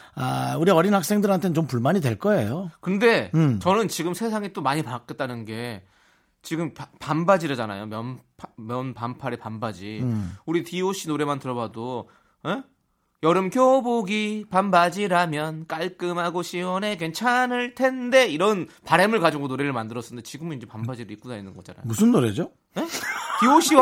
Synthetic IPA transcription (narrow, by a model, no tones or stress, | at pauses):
auɾiʌɾinɦak̚s͈e̞ŋdɯɾɦantʰent͡ɕompuɭmaɲidwe̞ɭk͈ʌḛjokɯnde̞t͡ɕʌnɯnt͡ɕiɡɯmsʰe̞sʰaŋet͈omaɲipak͈et̚t͈anɯnɡe̞ | t͡ɕiɡɯmppambad͡ʑiɾad͡ʑana̰jomjʌnpʰmjʌnpampʰaɾepambad͡ʑiuɾitioɕ͈ʰinoɾe̞mantɯɾʌbado | e | jʌɾɯmkjoboɡipambad͡ʑiɾamjʌnk͈aɭk͈ɯmɦaɡoɕʰiwʌne̞kwe̞nt͡ɕʰanɯɭtʰe̞nde̞iɾʌnpaɾe̞mɯɭkad͡ʑiɡonoɾe̞ɾɯɭmandɯɾʌs͈ɯnde̞t͡ɕiɡɯmɯnind͡ʑe̞pambad͡ʑiɾɯɾik͈unainːɯnɡʌt͡ɕ͈a̰na̰jmusʰɯnːoɾed͡ʑo | ne̞tioɕ͈ʰiw